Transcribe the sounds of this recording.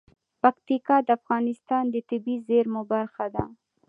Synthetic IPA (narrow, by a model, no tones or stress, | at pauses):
pakt̪ikɑd̪əafɣɑnɪst̪ɑnd̪ət̪ɪbizeɾmʊbaɾxad̪a